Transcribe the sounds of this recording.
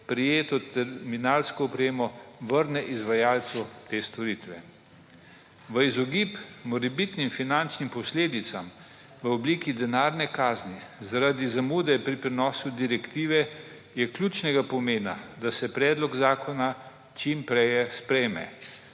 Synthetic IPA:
pɾijeːt̪ɔt̪ɛɾminaːlskɔɔpɾeːmɔʋəɾnɛʔizʋajaːlt̪sut̪eːst̪ɔɾiːt̪ʋɛ | ʋəizɔɡipmɔɾɛbit̪nimfinant͡ʃnimpɔsleːd̪it̪sam | ʋəɔbliːkid̪ɛnaːɾnɛkaːznizaɾad̪izamuːd̪ɛpɾipɾɛnɔːsud̪iɾɛkt̪iːʋɛ | jɛklʲjuːt͡ʃnɛɡapɔmeːna̰d̪asɛpɾɛːd̪lɔɡzaːkʰɔna | t͡ʃimpɾɛjɛspɾɛjmɛ̰

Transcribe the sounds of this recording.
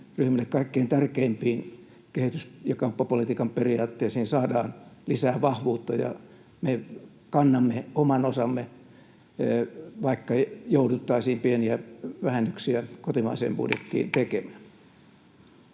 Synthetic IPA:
ryhmælːekkɑikːeint̪ærkeimpiːn | kehit̪ysjɑkɑupːɑpolit̪iːkɑmperiɑːt̪ːeisihinsɑːdɑːnlisæːʋɑhʋuːt̪ːɑjɑ̰ | me | kɑnːɑmːeomɑnosɑmːe | ʋɑikːɑjoudut̪ːɑisiːmpieniæʋæhænːyksiækot̪imɑ̰isḛːmpṵdjḛt̪ːḭːnt̪ekemæn

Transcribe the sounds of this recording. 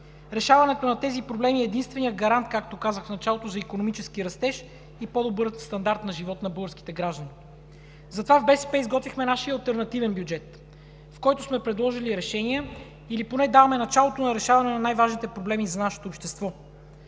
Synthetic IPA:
ɾɛʃavɐnɛt̪onɐt̪ɛzipɾoblɛmiɛːd̪inst̪vɛnijəd̪̚ɡɐɾant̪̚kakt̪okazəxfnɐt͡ʃalˠot̪ozɐikonomit͡ʃɛskiɾɐst̪ɛʃ | ipɔd̪obɤɾst̪ɐnd̪aɾt̪nɐʒivɔt̪nɐbɤlˠɡəɾski̥t̪ɛɡɾaʒd̪ɐni | zɐt̪ovavbɛsɛ̥pɛizɡɔt̪vixmɛnaʃiəɐlˠt̪ɛɾnɐt̪ivɛnbʲjud͡ʒɛt̪ | fkɔjt̪osmɛpɾɛd̪lˠɔʒiliɾɛʃɛniɛ | iliponɛd̪avɐmɛnɐt͡ʃalˠot̪onɐɾɛʃavɐnɛnɐnajvaʒnit̪ɛpɾoblɛmizɐnaʃɛ̥t̪oːpʃt̪ɛst̪vɔ

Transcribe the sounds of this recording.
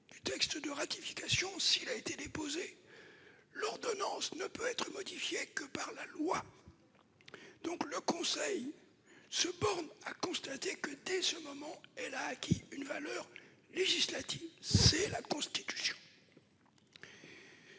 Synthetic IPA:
d̪̥yt̪ɛkst̪d̪əʁat̪ifi̥kasjɔ̃silaet̪ed̪epoze | lɔʁd̪ɔnɑ̃snəpøɛt̪χəmɔd̪ifjekəpaʁlalwa | d̪̥ɔ̃kləkɔ̃sɛj | səbɔʁnakɔ̃st̪at̪ekəd̪ɛsəmɔmɑ̃ɛlaːkʲiynvalœʁleʒislat̪ivsɛlakɔ̃st̪it̪y̥sjɔ̃

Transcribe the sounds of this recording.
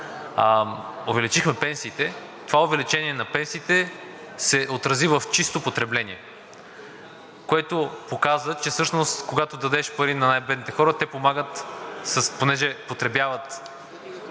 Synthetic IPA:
ovɛlit͡ʃixmɛpɛnsiːt̪ɛ | t̪ovaʊvɛlit͡ʃɛniɛnɐpɛnsiːt̪ɛ | sɛʔot̪ɾɐzivəft͡ʃist̪opot̪ɾɛblɛniɛ | koɛt̪opokazvət͡ʃɛfsɤʃnost̪koɡat̪od̪ɐd̪ɛʃpɐɾinɐnajbɛd̪nit̪ɛxɔɾət̪ɛpomaɡət̪səsponɛʒɛpot̪ɾɛbjavət̪

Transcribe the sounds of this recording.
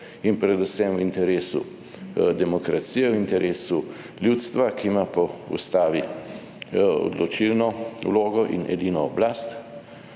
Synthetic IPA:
inpɾɛd̪usɛmwint̪ɛɾeːsṵ | d̪ɛmɔkɾat̪sijɛwint̪ɛɾʔeːsu | ljut̪st̪ʋakimapɔṵst̪aːʋi | ɔ̰d̪lɔt͡ʃilnɔṵloːɡɔʔḭnɛ̰d̪iːnɔːblaːst̪

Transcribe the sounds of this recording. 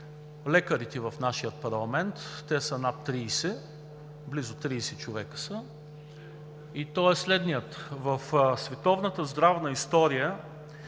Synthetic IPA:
lɛkəɾit̪ɛvəfnaʃijət̪̚pɐɾlˠɐmɛnt̪ːɛsənat̪t̪ːɾiːsɛ | blizʊt̪ɾiːsɛt͡ʃovɛkə̥sə | it̪ɔɛslɛd̪nijət̪vəfsvɛt̪ɔvnət̪əzd̪ɾavnəist̪ɔɾijə

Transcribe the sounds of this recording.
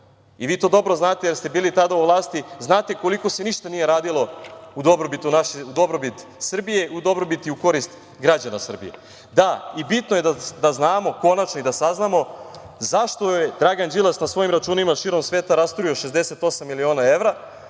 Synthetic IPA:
iʋiːt̪o̞ːd̪o̞bɾo̞znaːt̪ejeɾst̪e̞biːlit̪ad̪auʋlˠaːst̪iznaːt̪e̞ko̞liko̞se̞niʃt̪anije̞ɾaːd̪ilˠo̞ud̪o̞bɾobit̪unaʃeud̪o̞bɾo̞bit̪sr̩bije̞ud̪o̞bɾo̞bit̪iuko̞ɾist̪ | ɡɾad͡ʑanasr̩bḭjḛ | d̪aibit̪noje̞d̪ad̪aznaːmo̞ko̞nat͡ʃnoid̪asaznamo̞ | zaʃt̪o̞jed̪ɾaɡand͡ʒilˠasnasʋo̞jimɾat͡ʃuːnimaʃiːɾo̞msʋeːt̪aɾast̪ɾuioʃezd̪ese̞t̪o̞samːilio̞ːnae̞ʋɾa

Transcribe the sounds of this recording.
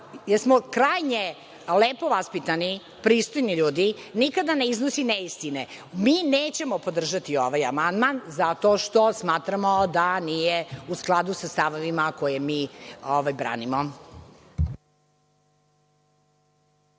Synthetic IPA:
jesmokɾaːjɲe | leːpo̞ʋaspit̪ani | pɾiːst̪ojniʎuːd̪inikad̪aneiznosineist̪ine | mineːt͡ɕemopo̞d̪r̩ʒat̪ioʋajamand̪manzat̪oʃt̪o̞smaːt̪ɾamod̪aniːjeusklˠad̪usast̪aʋoʋimakojemiːoʋajbɾa̰ːnimo

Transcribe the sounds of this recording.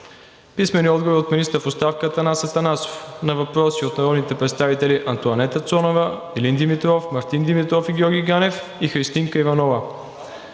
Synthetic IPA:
pismɛniɔd̪ɡovoɾiot̪minist̪əɾfost̪afkət̪ənasɐt̪ɐnaso̥fnɐvɐpɾɔsiot̪nɐɾɔd̪nit̪ɛpɾɛt̪st̪avit̪ɛliʔɐnt̪ʊɐnɛt̪ət̪sɔnovə | ilind̪imit̪ɾɔfmɐɾt̪ind̪imit̪ɾɔfiɡʲɔɾɡʲiɡanɛf | ixɾist̪iŋkəivɐnɔvə

